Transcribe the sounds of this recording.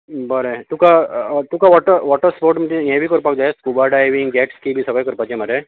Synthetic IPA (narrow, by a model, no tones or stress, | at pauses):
bəɾet̪ukat̪ukaʋɔʈəʋɔʈəspoɾʈmt̪ijẽbʱikəɾpak̚d͡ʒajeskubaɖajʋiŋɡɡɛʈskibʱisəɡajkəɾpat͡ʃemaɾe